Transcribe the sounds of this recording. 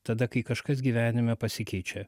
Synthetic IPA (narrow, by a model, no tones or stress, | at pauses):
t̪ɐd̪ɐkɐɪkɐʃkɐs̬ɡʲiːʋʲæːnʲɪmʲɛpɐsʲɪkʲɛɪt͡ʃʲɛ